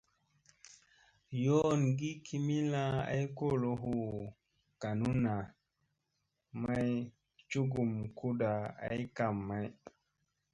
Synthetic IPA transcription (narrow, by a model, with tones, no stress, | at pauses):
jo˦nɡi˦kʰi˦mi˦la˦a̰˦jko˦˨lo˨˦ɦu˦˨ | ka˨nu˦na˨ | ma˦j | t͡ʃu˦ɡu˨mku˦da˨a̰˦jka˨mːa˦j